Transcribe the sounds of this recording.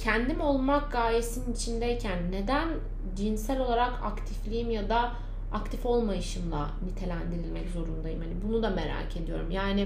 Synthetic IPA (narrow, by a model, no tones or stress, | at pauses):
cʰɛnd̪imo̞lˠmak̚ɡaːjesininit͡ʃʰind̪ɛjcʰænːe̞d̪æn | d͡ʒinsælʲo̞lˠaɾakʰakt̪ʰiflʲijimjad̪a | akt̪ʰifo̞lˠmajɯʃɯmlˠa | nit̪ʰe̞lʲænd̪iɾilʲmɛczo̞ɾund̪ajɯmhanibunud̪ame̞ɾa̰ːcʰe̞d̪ijo̞̰ɾumjaːni